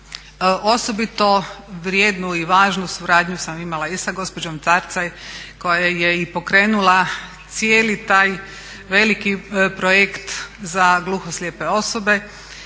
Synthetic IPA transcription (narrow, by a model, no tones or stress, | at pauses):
ʔo̞sobit̪o̞ʋɾjeːd̪nuiʋaːʒnusuɾaːd̪ɲusamimalˠaisaɡo̞spo̞d͡ʒo̞mt̪saɾt̪sajko̞jajeipo̞kɾeːnulat̪sjeːlit̪aːj | ʋe̞likipɾojekt̪zaɡluːxoslʲjepe̞o̞so̞be̞